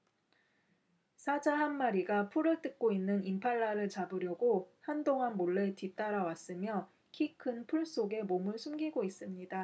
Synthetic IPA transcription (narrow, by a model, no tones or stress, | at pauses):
sʰad͡ʑaɦanmaɾiɡapʰuɾɯɭt͈ɯk̚k͈oinːɯnimpʰaɭːaɾɯɭt͡ɕabɯɾjʌɡohandoŋanmoɭːe̞tit͈aɾawas͈ɯmjʌ | kʰikʰɯnpʰuɭs͈oɡe̞momɯɭsʰumɡiɡois͈ɯmɲida